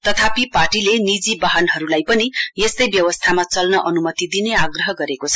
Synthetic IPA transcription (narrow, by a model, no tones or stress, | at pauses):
t̪ʌt̪ʰapiparʈilenid͡zibaɦʌnɦʌɾulajpʌnijest̪ʌjbjʌwʌst̪ʰamat͡sʌlnʌʔʌnumʌt̪id̪ineaɡrʌɦʌɡʌɾekot͡sʰʌ